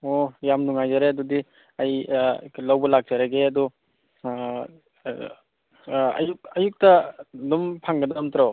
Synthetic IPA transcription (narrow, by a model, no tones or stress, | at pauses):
ojamnuŋajzaɾeadudi | ajlawbɐlak̚d͡ʒaɾaɡeadɔ | ɐ̰juk̚ɐjuk̚tɐdumpʰaŋɡɐdɔmt̪ʰɾa